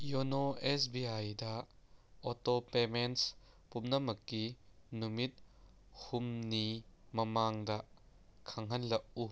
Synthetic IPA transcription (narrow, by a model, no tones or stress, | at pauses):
jɔnɔʔɛsbiɐjdɐ | ɔtɔpemens | pumnɐmɐkːinumit̪̚ | humnimɐmaŋdɐʔ | kʰɐŋɦɐnlɐʔu